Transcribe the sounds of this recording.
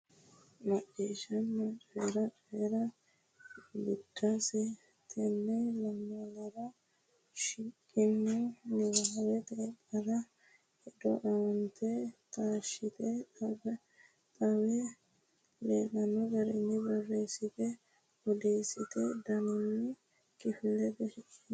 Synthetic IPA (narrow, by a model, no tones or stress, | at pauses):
mɐʔːeːʃɐnːɐt͡ʃʼeɾɐt͡ʃeɾɐ | bɪd̪̥ːasɛ | t̪ʰɛnːɛlɐmːɔlɐɾɐ | ʃɪkʼːɪnːɔnɪwaːwɛt̪ɛːpʼːɐɾɐ | hɛd̪ɔ̰ʔɐwɐnt̪ʰɛt̪ʼaːʃɪt̪ɛ | t̪ʼɐwɛ | leːnɐnːɔɡɐɾɛnːɪbɔrːeːsɪt̪ɛ | ɔd̪eːsɪt̪ɛd̪ɐnɪnːɪ | kʼɪfɪlːɛbɛʃɪkʼːɪ